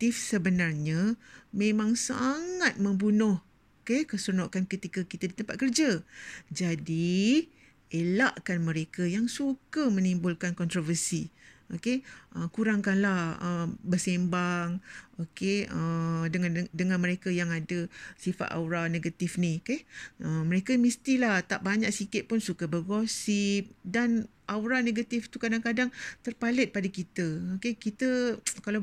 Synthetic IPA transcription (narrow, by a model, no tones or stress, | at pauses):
t̪ifsəbənarɲamẽmãŋsa̰ŋat̪̚mə̃mbunʊh | okekəsunoʔkankət̪ikakit̪adit̪əmpat̪̚kərd͡ʒad͡ʒadi | elaʔkanmə̃ɾekajaŋsukəmə̃nimbʊlkankɔnt̪ɾovərsiokeʔəkuɾaŋkanlahəmbərsembaŋokeədəŋandəŋãnməɾekəjaŋadəsifa̰t̪a̰wɾanẽɡat̪ifniokeəmə̃ɾekəmist̪ilaht̪aʔbaɲak̚sikɪt̪̚pʊnsukəbəɡosip̚dan | ʔawɾaneɡat̪ift̪ukadaŋkadaŋt̪ərpalɪt̪̚padakit̪əokekit̪əkala